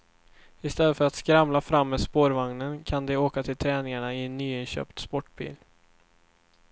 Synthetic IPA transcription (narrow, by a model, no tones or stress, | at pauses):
ɪst̪ɛlːəfœɾat̪skɾamlafɾamːɛspoːɾvaŋnənkʰand̪ɛoːkat̪ʰɪlt̪ʰɾɛːnɪŋaɳaɪɛnːyːɪnɕø̰ːpt̪spɔʈːbḭːl